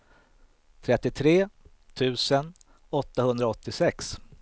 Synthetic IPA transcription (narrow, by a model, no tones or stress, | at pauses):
t̪ʰɾɛt̪ːɪt̪ʰɾeː | t̪ʰʉ̟ːsən | ɔt̪ːahɵnd̪ɾaɔt̪ːɪsɛks